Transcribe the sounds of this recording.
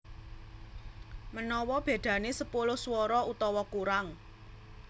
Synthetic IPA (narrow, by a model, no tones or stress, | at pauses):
mənɔwɔb̥e̤d̪̥ä̤nesəpulʊhswɔɾɔut̪ɔwɔkuɾaŋ